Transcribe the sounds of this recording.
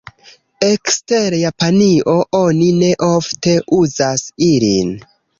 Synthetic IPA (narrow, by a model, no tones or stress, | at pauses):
ekste̞ɾjapaniʔo̞ʔo̞nine̞ʔo̞fte̞ʔuzasilin